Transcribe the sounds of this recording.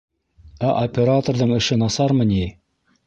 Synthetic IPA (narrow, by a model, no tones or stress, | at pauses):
æʔopʲeɾat̪orðɤɴɘ̆ʃɘnɑsɑɾmɤni